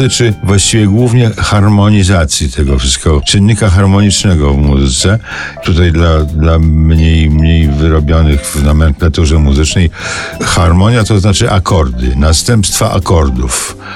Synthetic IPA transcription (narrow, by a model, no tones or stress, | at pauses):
ɘt͡ʂɘvwaɕt͡ɕivʲjɛɡwuvɲɛxaɾmɔɲizat̪sʲjit̪ʰɛɡɔfʂɨst̪kɛɡɔt͡ʂɘnːikaxaɾmɔɲit͡ʂnɛɡɔvmuzɘt̪sɛ | t̪ut̪ajd̪lad̪lamɲejmɲejvɘɾɔbʲjɔnɘxvnamɛnklat̪uʐɛmuzɘt͡ʂnɛjxaɾmɔɲjat̪ɔznat͡ʂɘʔakɔɾd̪ɘ̰nast̪ɛmpst̪faʔa̰kɔɾd̪uf